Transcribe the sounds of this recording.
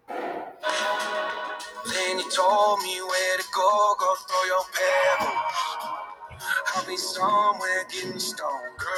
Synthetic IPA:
ðɛ̃njɨtʰolˠd̚miwɛɾɨɡoɡoʊθɹojəpʰɛ | abisʌmwɛɡɪnstɔkʰ

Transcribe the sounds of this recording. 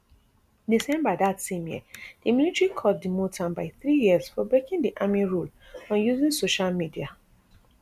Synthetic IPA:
disɛ̃mbadatsẽmjḭd̥imilitɹikʰɔt̚dimotʰãnbaɪθɹijiəsfɔbɹekĩndiʔamiɹul | ɔ̃njuzĩnsoʃalmidia

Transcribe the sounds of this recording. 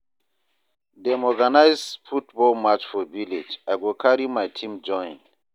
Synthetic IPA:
dɛmɔɡanajzfut̚bɔlmat͡ʃfɔviled͡ʒajɡikʰaɹimajtʰĩmd͡ʒɔ̃j̃n

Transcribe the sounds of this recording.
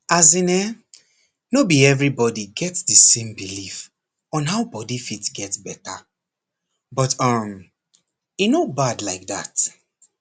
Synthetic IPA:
azĩnɛ | nobiɛvɹibɔdiɡɛtsdəsẽmbilif | ɔ̃nɦaʊbɔdifitɡɛtsbɛta̰ | bʌtʌm | inobadlaɪk̚ða̰t

